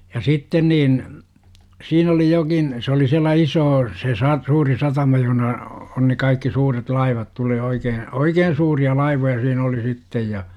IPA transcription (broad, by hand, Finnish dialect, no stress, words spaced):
jɑ sitːen niːn siːn oli jokin se oli siælːæ isoː se sɑ suːri sɑtɑmɑ johə̆nɑ on ne kɑikːi suːret lɑiʋɑt tuleː oikeː oikeːn̞ suːriɑ lɑiʋojɑ siːn oli sitːej jɑ